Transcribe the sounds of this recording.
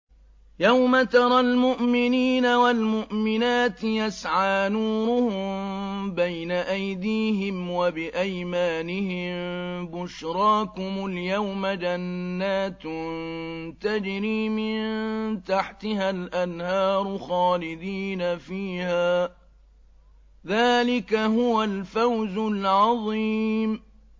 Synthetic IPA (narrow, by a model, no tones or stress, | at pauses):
jawmat̪ɑɾˤɑlmʊʔmɪniːnawalmʊʔmɪnaːt̪jasʕaːnuːɾʊhʊmbajnaʔajd̪iːɦɪmwabɪʔajmaːnɪhɪmbʊʃɾˤɑːkʊmʊljawmad͡ʒanːaːt̪nt̪ad͡ʒɾiːmɪnt̪aħt̪ɪhalʔanhɑːɾˤʊxɑːlɪd̪iːnafiːhaː | ðaːlɪkaɦʊwalfawzʊlʕɑðˤiːm